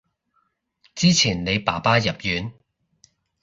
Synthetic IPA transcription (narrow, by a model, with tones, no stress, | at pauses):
t͡siː˥t͡sʰiː˨˩nne˨˧jpaː˨˩paː˥jɐ˨p̚jyː˨˥n